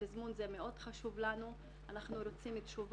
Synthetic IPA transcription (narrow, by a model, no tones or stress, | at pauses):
ezmunze̞me̞o̞dχaʃuvlanu | anaχnuɾo̞t͡simit̪ʃuv